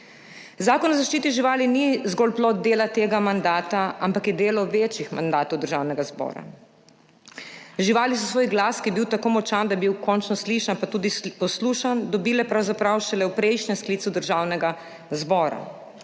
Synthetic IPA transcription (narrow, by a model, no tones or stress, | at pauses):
zaːkɔnɔzaʃt͡ʃiːt̪iʒiʋaːlinizɡɔːlplɔt̪̚d̪eːlat̪eːɡamand̪aːt̪aampakjɛd̪eːlɔʋeːt͡ʃixma̰nd̪aːt̪ɔwd̪əɾʒawnɛɡazbɔ̰ːɾa̰ | ʒiʋaːlisɔsʋoːjɡlaːskibiwt̪akoːmɔt͡ʃand̪abiwkɔnt͡ʃnɔsliʃnapat̪uːd̪ipɔsluːʃand̪ɔbiːlɛpɾawzapɾawʃɛlɛwpɾɛjʃnɛmskliːsud̪əɾʒaːwnɛɡa | zbɔːɾa̰